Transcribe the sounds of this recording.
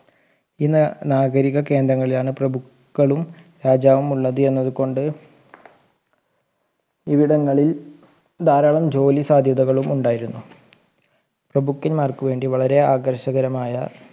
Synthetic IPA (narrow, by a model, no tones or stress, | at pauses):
iːnnaːɡɐɾiɣɐke̞ːnd̪ɾɐŋːɐɭilaːɳɨprɐbukːɐɭumɾaːd͡ʑaːʋɐmuɭːɐðɨe̞nːɐðuko̞ɳɖɨ | iʋiɽɐŋːɐɭil | d̪ʱaːɾaːɭɐmd͡ʑo̞ːlisaːd̪ʱjɐðɐɣɐɭumuɳɖaːjiɾunːu | prɐbukːinmaːrkuʋe̞ːɳɖiʋɐɭɐɾe̞aːɡɐrɕɐɣɐɾɐmaːjɐ